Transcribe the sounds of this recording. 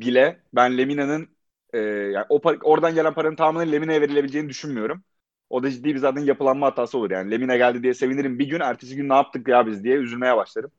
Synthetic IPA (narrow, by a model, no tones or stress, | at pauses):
bilʲɛ | bænlʲeminanɯn | ɛːja̰ːnʔo̞pao̞ɾd̪anɟelʲænpʰaɾanɯnt̪ʰaːmɯnɯnlʲeminajave̞ɾilʲebilʲd͡ʒeːinid̪yʃynmijo̞ɾum | o̞d̪ad͡ʒid̪ːiːbizaːt̪ʰænjapɯlˠanmaɦat̪ʰːaːsɯo̞luɾja̰ːnilʲe̞minaɟælʲd̪id̪ijɛse̞viniɾimbiɟynæɾt̪ʰeʃiɟynːaːp̚t̪ʰɯk̚jaːbizd̪ijɛyzylʲme̞jɛbaʃlˠad̪ɯm